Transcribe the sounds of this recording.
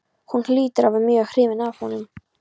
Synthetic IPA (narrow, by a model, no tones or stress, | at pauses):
hunhlyːt̪əɾavɛnmjyːaxɾɪːvɛnaːv̥hɔnːʏm